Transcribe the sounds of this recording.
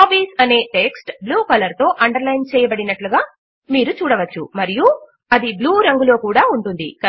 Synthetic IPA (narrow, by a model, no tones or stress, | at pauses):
aːbiːsɐne̞ːʈe̞ksʈbluːkɐlɐɾt̪o̞ːʔɐɳɖɐɾlɐjnt͡ʃɛːjɐbɐɽinɐʈluɡaː | miːɾut͡ʃuːɽɐʋɐt͡ʃːṵmɐɾiju | ɐd̪ibluːɾɐŋɡulo̞ːkuːɽaːuɳʈund̪ḭkɐ